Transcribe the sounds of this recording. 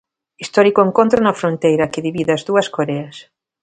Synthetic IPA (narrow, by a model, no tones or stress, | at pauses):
ist̪ɔɾikoeŋkõnt̪ɾonɐfɾont̪ejɾɐkeðiβiðɐzðuɐskoɾeɐs